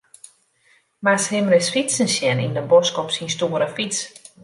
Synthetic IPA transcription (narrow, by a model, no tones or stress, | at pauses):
mashɪmrɪsfisənsjɛnḭndəbɔskɔpsinstuəɾəfis